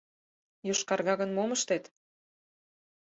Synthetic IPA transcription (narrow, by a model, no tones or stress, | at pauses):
joʃkɑrɣɑɣə̆nmoməʃt̪et̪